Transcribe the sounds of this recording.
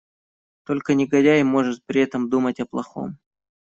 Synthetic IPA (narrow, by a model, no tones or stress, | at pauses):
t̪o̞lʲkənʲɪɡɐdʲajɪmo̞ʐɨt̪̚pɾʲɪɛt̪əmd̪umətʲɐplˠɐ̰xo̞̰m